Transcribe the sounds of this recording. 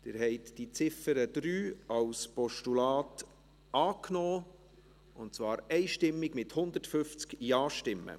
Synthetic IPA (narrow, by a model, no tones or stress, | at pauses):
d̥̪ɪːɾɦɛɪtd̥it͡sɪfəɾəd̪̥ɾyːɑwspɔʃtulɑːt | ɑːknɔː | ʊnt̚t͡svɑːɾɛɪʃtɪmːɪɡmɪthʊnd̪ətfʏft͡skjɑːʃtɪmːə̰